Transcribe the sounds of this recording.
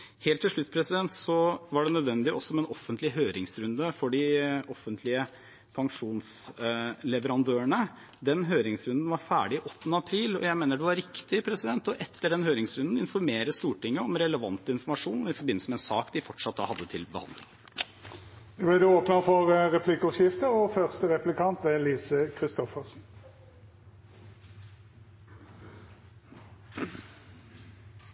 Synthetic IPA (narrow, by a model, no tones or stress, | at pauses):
heːlt̪ʰːɪʂɭʉt̪spʰɾɛsɪd̪ɛnt̪sɔʋɑɖɛnœd̪ʋɛnd̪ɪɔsːɔmɛnɔfːənt̪lɪɦøːɾɪŋsɾʉnd̪əfɔɖɪʔɔfːənt̪ʰlɪə | pʰɑŋʂuːns | lɛʋəɾɑnd̪øːəɳə | d̪ɛnɦøːɾɪŋsɾʉnd̪ən̩ʋɑɾfæ̰ːɖɪɪʔɔt̪ːənəɑpʰɾiːlɔ̰jæɪmeːnəɖɛʋɑɾɪkt̪ɪpʰɾɛsɪd̪ɛnt̪ɔʔɛt̪ːəɖɛnhøːɾɪŋsɾʉnd̪ən̩ɪnfɔɾmeːɾəst̪uːʈɪŋːəɔmɾɛləʋɑnt̪əɪnfɔɾmɑʂuːnɔɪfɔɾbɪnl̩səmɛːnsɑːkd̪ɪfɔʈʂɑt̪̚d̪ɑ̰ːhɑd̪ːət̪ʰɪlbəhɑ̰nd̪lɪ̰ŋ | d̪ɛblɛd̪ɛoːpnəfɔʁʁɛpʰlɪkɔsɪft̪əɔfœʁst̪əʁɛplɪkʰɑnt̪ɛliːsəkʰʁɪst̪ɔfəʁsn̩